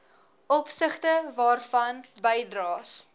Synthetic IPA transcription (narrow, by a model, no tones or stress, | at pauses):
ɔpsəχtəvɑːrfɐnbɛjdrɑːs